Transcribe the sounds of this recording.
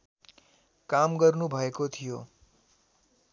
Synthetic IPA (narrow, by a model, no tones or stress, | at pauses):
kamɡʌɾnũbʱʌekot̪ʰijo